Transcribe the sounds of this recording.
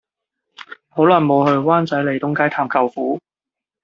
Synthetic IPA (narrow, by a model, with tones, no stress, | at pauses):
ho˨˥wlaː˨˩nmo˨˧whɵ˧ɥwaː˥nt͡sɐ˨˥jle˨˩jt̪ʊ˨˥ŋkaː˥jt̪ʰaː˨˩mkʰɐ˨˧wfuː˨˥